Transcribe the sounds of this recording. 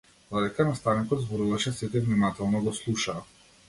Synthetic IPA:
d̪̥ɔd̪ɛkanast̪anikɔd̪zbɔɾuvaʃɛsit̪ɛvnimat̪ɛlˠnɔɡɔslˠuʃaː

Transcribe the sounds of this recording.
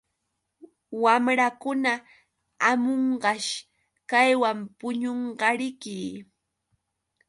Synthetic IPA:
wamɾakʊna | amoɴɢɑʃ | kajwampʊɲoɴɢɑɾɪkɪː

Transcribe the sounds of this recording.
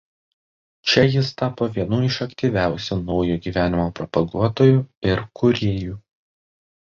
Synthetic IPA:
t͡ʃʲɛjɪst̪ɑːpoːʋʲiɛnuːɪʃɐkt̪ʲiːʋʲæˑʊsʲuːnɒʊjuːɡʲiːʋʲæːnʲɪmoːpɾɔpɐɡuɔt̪oːjuːˑɪɾkʊɾʲeːjuː

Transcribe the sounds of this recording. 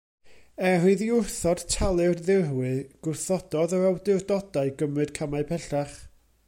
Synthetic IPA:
ɛrɨðiʊrθɔd̥tʰalˠɨrðɪrwɨɡ̥ʊrθɔd̥ɔðɔawdɨrdɔdaɨɡəmɨd̥kʰamaɨpʰɛɬaχ

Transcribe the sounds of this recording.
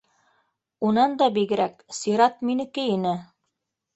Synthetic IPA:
unɑnd̪ɑbiɡɘ̆ɾæk̚siɾɑt̪minɘ̆kɘinɘ

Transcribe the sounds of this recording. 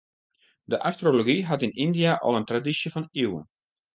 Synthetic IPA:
dəʔastroloɡiɦatɪnindiaʔɔ̰lˠəntradisjəfɔniwə̰n

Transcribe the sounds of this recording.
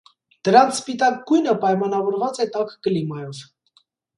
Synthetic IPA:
d̪̥əɾɑnt͡sʰspit̪ɑk̚ɡujnəpɑjmɑnɑvɔɾvɑt͡sɛt̪ɑkːəlimɑjɔv

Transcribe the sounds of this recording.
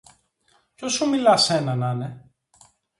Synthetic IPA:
cosomilɐse̞nɐnɐne̞

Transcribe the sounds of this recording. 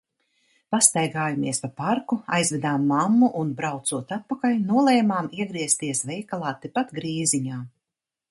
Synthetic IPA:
past̪ajɡaːjumiɛspapaɾkua̰jzvʲɛd̪aːmːamːuʔunbɾawt̪suɔt̪at̪̚pakalʲnuɔlˠɛjmaːmiɛɡɾiɛst̪iɛsvʲɛjkalˠaːt̪ːipat̪ɡɾiːziɲaː

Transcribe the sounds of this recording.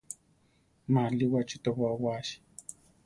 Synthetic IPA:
maliwat͡ʃit̪aβawaːʃi̥

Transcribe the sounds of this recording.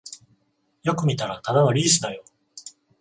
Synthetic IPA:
jo̞kɯ̟mʲit̪aɾat̪ad̪ano̞ɾʲiːsɨd̪ajo̞

